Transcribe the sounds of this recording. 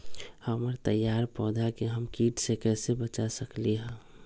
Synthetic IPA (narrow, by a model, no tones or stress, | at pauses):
həməɾt̪əjːaːɾpɔːd̪ʱakeɦəmkiːʈsekɛːsebət͡ʃasəkliɦɛ̃ː